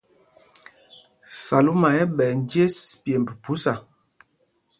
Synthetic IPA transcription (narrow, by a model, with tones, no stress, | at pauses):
sa˨lu˦ma˨ɛ˦ɓɛ˨n˦dje˦spe˨m˨bə˨pu˨˦sa˨